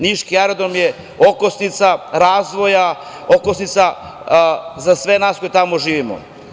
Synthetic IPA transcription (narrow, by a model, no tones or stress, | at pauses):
niʃkiaɾed̪omje | okosnit̪saɾaːzʋo̞ja | okosnit̪sa | zasʋe̞naːsko̞jet̪amoʒiːʋimo̰